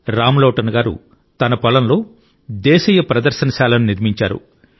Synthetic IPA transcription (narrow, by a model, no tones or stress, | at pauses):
ɾaːmlɐːʈɐnɐɡaːɾṵ | t̪ɐnɐpɐlɐnlo̞ː | d̪ɛːʃɐjɐpɾɐd̪ɐɾʃɐnɐʃaːlɐnuniɾmiɲt͡ʃaːɾṵ